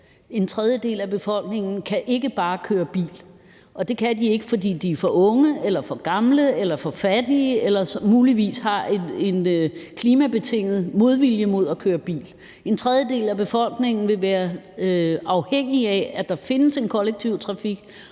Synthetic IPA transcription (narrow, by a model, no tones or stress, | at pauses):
e̝nt͡sʰʁɛð̞ˠjəd̥e̝̰ːlæb̥e̝fɒ̽l̰ɡ̥ne̝ŋ̰n̩kʰæʔe̝ɡ̥əb̥ɑ̈ːkʰøːɐb̥ḭːl | ʔɒ̽d̥e̝kʰæd̥ie̝ɡ̥əfɒ̽d̥ḭːd̥iæfɒ̽ʔɔ̽ŋəelɐfɒ̽ɡ̥ɑ̈mləelɐfɒ̽fæd̥iəelɐsmuːliʋḭːshɑ̈ee̝nkʰliːmæb̥e̝t͡sʰe̝ŋ̰ð̩ˠmo̝ð̞ˠʋiljəmo̝ð̞̰ˠɒkʰøːɐb̥ḭːl | e̝nt͡sʰʁɛðˠjəd̥e̝̰ːlæb̥e̝fɒ̽l̰ɡ̥ne̝ŋn̩ʋe̝ʋæːɐ | ɑ̈ʊheŋ̰iææd̥ɑ̈fe̝nəse̝nkʰɒ̽leɡ̥̚t͡sʰiʊ̰t͡sʰʁɑ̈fiɡ̥